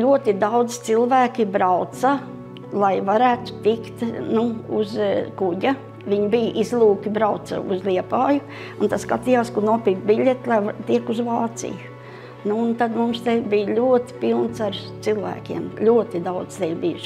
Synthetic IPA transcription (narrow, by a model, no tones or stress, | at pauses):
lʲuɔt̪id̪awd̪zɪ̥t̪silˠvæːkʲibɾawt̪sa | lˠajvaɾæːt̪ʊ̥t̪ikt̪nuṵzkuɟʲa | ʋiɲbijʔizlˠuːkibɾaʊt̪sa̰uzlʲiɛpaːjʊ | unt̪askat̪ijaːskunuɔpiːkbilʲet̪lˠajt̪iɛkuzʋaːt̪sḭjʊ | nuːnt̪ad̪mumst̪ɛjbijlʲuɔt̪i̥pilˠnsaɾt̪silˠvæ̰ːkʲḭɛmlʲuɔt̪id̪awd̪z̥t̪ɛjʲbijʃ